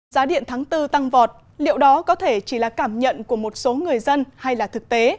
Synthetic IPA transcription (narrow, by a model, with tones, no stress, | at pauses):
zaː˨˦ɗḭ˧˨ənt̪ʰaː˨˦ŋt̪ɨ˧t̪a˧ŋvɔ˨˩t̚ | lḭ˧˨əwɗɔ˨˦kɔ˨˦t̪ʰe˧˩t͡ɕi˧˩laː˨˩kaː˧˩mɲə̰˧˨nku˧˩əmo˨˩t̚so˨˦ŋɨ˨˩əjzə˧nha˧jlaː˨˩t̪ʰɨ˨˩k̚t̪e˨˦